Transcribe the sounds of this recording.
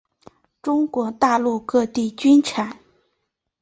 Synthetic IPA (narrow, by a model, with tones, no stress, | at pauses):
ʈ͡ʂʊ˥ŋkwɔ˧˥t̪a˥˧lu˥˧kɤ˥˧t̪i˥˩t͡ɕy˥nʈ͡ʂʰa˨˩˦n